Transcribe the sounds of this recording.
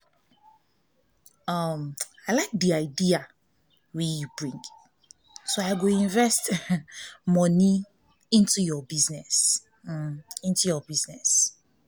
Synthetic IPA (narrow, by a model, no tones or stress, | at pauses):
ʌmaɪlaɪk̚diaɪdia | wɛjubɹĩŋɡ | soaɪɡoĩɱvɛst | mɔni | ĩntujɔbiznɛs̩ | ĩntujɔbiznɛs